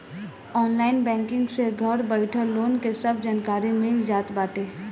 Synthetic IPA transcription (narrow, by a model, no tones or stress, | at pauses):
ɔːnlaːɪnbɛ̃ːŋkɪ̃ŋɡseɡʱɐɾbəɪʈʰəloːnkesɐb̚ʱd͡ʒaːnkaːɾimẽd͡ʒaːt̪baːʈeː